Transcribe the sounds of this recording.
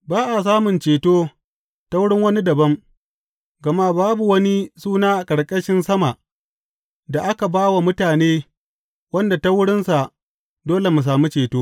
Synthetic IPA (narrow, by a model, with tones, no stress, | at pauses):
baː˦ʔa˨s̬aː˦mʊ˨nt͡ʃeː˨toː˦ | ta˦wʊ˦ɽɪ˦ŋwɐ˦ni˦dɐ˨bɐ˦m | ɡɐ˨ma˦˨baː˦bu˨wɐ˦ni˦suː˦naː˦ʔa˨kʼɐ˨ɽkʼɐ˦ʃɪ˦nsɐ˦ma˨ʔ | da˨ʔa˦ka˨baː˦wa˨mʊ˦taː˨neː˦ | wɐ˦nda˨ta˦wʊ˦ɽɪ˦nsa˨ | doː˦le˨mu˨s̬aː˨mu˦t͡ʃeː˨toː˦